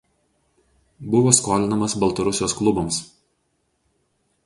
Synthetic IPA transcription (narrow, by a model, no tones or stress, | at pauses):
bʊʋoːskoːlʲɪnɐmɐsbɐlˠt̪ɐɾʊsʲɪjoːsklˠʊbɐms